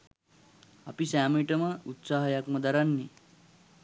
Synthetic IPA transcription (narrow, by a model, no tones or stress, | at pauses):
apisæːmiʈəməut̪saːɦɐjakmɐd̪aɾanːi